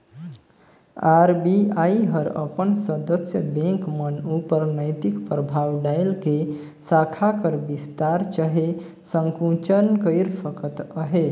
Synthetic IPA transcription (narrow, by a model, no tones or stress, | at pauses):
aɾbiajɦəɾə̰pənsəd̪əsjəbẽŋkmənupəɾnəjt̪ikpɾəbʱawɖajlke | sakʰakəɾbist̪aɾt͡ʃəɦe | səŋkũt͡ʃənkəɪɾpʰəkət̪əɦe